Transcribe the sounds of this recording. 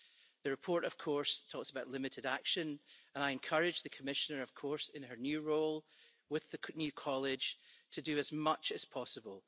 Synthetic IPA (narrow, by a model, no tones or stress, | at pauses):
ðəɹɪpʰɔɹʔəv̥kʰɔɹstʰɔksəbaʊʔlˠɪmɪʔɪdakʃə̃nə̃ñaɪɨ̃nkʰʌɹɪd͡ʒðəkʰəmɪʃənə˞ʌv̥kʰɔɹsɪ̃nə˞njʉːɹolˠ | wɪðənjʉːkʰɔlˠɪd̥ʒ̥tʰədəːzmʌt͡ʃɨz̥pʰɔsəbəlˠ